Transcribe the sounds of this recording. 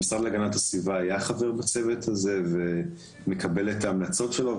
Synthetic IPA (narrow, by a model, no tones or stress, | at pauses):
isʁad̪leaɡanatasvivaːjaχave̞ʁbat͡se̞vetʰaze̞ve̞ | me̞kabe̞letaːmlat͡so̞tʃelo̞